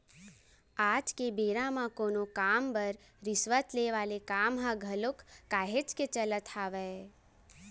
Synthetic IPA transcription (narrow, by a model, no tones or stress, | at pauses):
aːd͡ʒkebeːɾãmãkoːnokaːmbəɾ | ɾɪsʋət̪leʋaːlekaːmɦãɡʱɐlʊkːaːɦet͡ʃket͡ʃələt̪ʰaːʋɛ